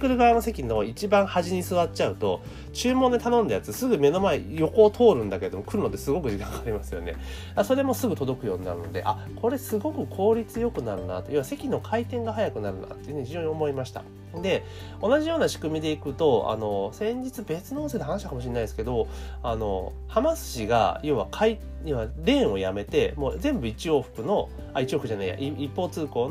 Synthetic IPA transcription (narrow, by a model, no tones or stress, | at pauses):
kɯ̟ɾɯ̟ɡaano̞se̞kʲino̞it͡ɕibãɰ̃haʑiɲ̟isɨβatt͡ɕaɯ̟t̪o̞̰ | t͡ɕɨːmõ̞nd̪et̪anõ̞nd̪ajat͡sɨsɨɡɯ̟me̞no̞maejo̞koːt̪ʰo̞ːɾɯ̟̃nd̪ake̞ɾe̞d̪o̞mo̞kɯ̟ɾɯ̟no̞t̪ːe̞sɨɡo̞kɯ̟ʑikãŋɡaːɾʲimasɨjo̞̰ne̞̰ | aso̞ɾe̞mo̞sɨɡɯ̟t̪o̞d̪o̞kɯ̟jo̞ːɲ̟ina̰ɾɯ̟no̞d̪e̞̰ʔa̰ | kʰo̞ɾe̞sɨɡo̞kɯ̟kʰo̞ːɾʲit͡sɨjo̞kɯ̟naɾɯ̟na̰t̪o̞iβase̞kʲino̞kʰait̪ẽ̞ŋɡaɦajakɯ̟naɾɯ̟na̰t̪ːeiɯ̟ːɲ̟içiʑo̞ːɲ̟io̞mo̞imaɕi̥t̪a̰ | d̪e̞ | o̞naʑijo̞ːnaɕi̥kɯ̟mʲid̪e̞ikɯ̟t̪o̞a̰no̞sẽ̞ɲ̟d͡ʑit͡sɨbe̞t͡sɨnoːnsed̪ɦanaɕi̥t̪akamo̞ɕ̬inːaid̪esɨ̥ked̪o̞ano̞̰ | hamasɨ̥ɕiɡa̰joβakʰai | iβaɾẽ̞ɰ̃o̞jame̞t̪e̞moːzẽ̞mbɯ̟it͡ɕio̞ːɸɯ̥kɯ̟no̞ | ait͡ɕio̞ːɸɯkɯ̟ʑanaija̰ʔiipːo̞ːt͡sɨːko̞ːn